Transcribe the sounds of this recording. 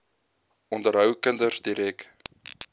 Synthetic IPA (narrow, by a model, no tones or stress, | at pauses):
ʔɔndəɾɦœwkəndərsdiɾɛk